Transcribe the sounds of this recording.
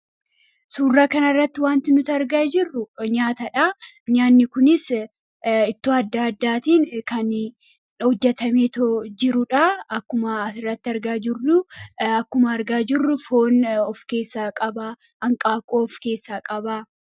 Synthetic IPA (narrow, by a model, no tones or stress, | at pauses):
suːrːaːkɐnɐrːɐt̪ːɪwaːnt̪ɪnʊt̪ɐɾɡaːd͡ʒɪrːʊɲaːt̪ɐᶑɐ | ɲaːnːɪkʊnɪs | ɪt̪ːoːɐd̪ːaːɐd̪ːaːt̪iːŋkɐn | hɔd͡ʒːɛt̪ɐmeːt̪od͡ʒɪɾʊᶑaɐkːʊmɐɐsɪrːɐt̪ːɪɐɾɡaːd͡ʒɪrːʊɐkːʊmɐɐɾɡaːd͡ʒɪrːʊfoːnɔfke̞ːsːaːkʼɐba | ɐŋkʼaːkʼoːɔfke̞ːsːaːkʼɐbaː